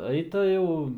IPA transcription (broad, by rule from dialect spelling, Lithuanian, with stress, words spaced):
ˈɐɪtɐ jɛʊ